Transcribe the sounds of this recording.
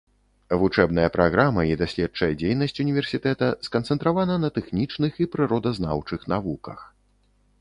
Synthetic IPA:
vut͡ʂɛbnɐjɐpɾaɣɾamɐid̪asʲlʲɛt̚t͡ʂɐjɐd͡zʲejn̪ɐsʲt͡sʲunʲivʲɛrsʲit̪ɛt̪ɐskɐnt̪sɛnt̪ɾavanɐnɐt̪ɛxnʲit͡ʂnɨxipɾɨɾɔd̪ɐzna̰wt͡ʂɨxnavukɐ̰x

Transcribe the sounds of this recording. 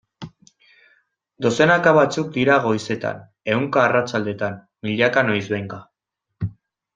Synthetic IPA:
d̪o̞se̞nakaβat͡suk̚d̪iɾaɣ̞o̞jse̞t̪a̰n | e̞wŋkaːrat͡sald̪e̞t̪an | miʎakano̞jzβejŋɡa

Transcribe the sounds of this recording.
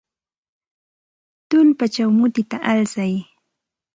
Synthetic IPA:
t̪ʊlpat͡ʃawmʊt̪ɪt̪aʔalsaj

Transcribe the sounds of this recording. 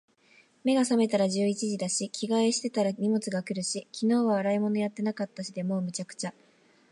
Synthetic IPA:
me̞ɡasame̞t̪aɾaʑɨːit͡ɕiʑid̪aɕikʲʰiɡaeɕi̥t̪e̞t̪aɾaɲ̟imot͡sɨɡakɯ̟ɾɯ̟ɕikʲino̞ːβaβːɾaimo̞no̞jat̪ːe̞nakat̪ːaɕid̪e̞mo̞ːmɯ̟t͡ɕakɯ̟̥t͡ɕa

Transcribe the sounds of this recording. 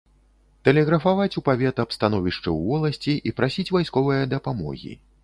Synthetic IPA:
t̪ɛlʲɛɣɾɐfavat͡sʲupavʲɛt̪ɐpst̪anɔvʲiʂt͡ʂɨ̰wvɔlˠɐsʲt͡sʲiʔipɾasʲit͡sʲvajskɔvɨjɐd̪ɐpamɔ̰ɣʲḭ

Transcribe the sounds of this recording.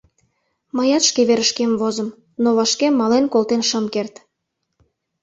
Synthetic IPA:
məjɑt̪ʃkeβeɾəʃkemvozə̆m | noβɑʃkemːɑlenkolt̪enʃəmkert̪

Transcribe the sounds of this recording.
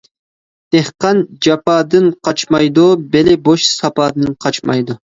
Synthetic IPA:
d̪̥ehqɑnd͡ʒɑpɑːd̪ɨnqʰɑt͡ʃmɑjd̪ubelɪboʃsɑpɑːd̪ɨnqʰɑt͡ʃmɑ̰jd̪u

